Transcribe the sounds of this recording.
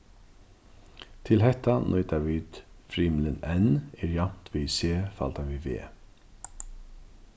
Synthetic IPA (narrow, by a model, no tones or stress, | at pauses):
t̪ʰɪlɦɛht̪ːanʔɔʏt̪aʋiːt̪fɾiːmlɪnɛnɛɹjam̥t̪ʋiːseːfa̰lt̪aʋivḛː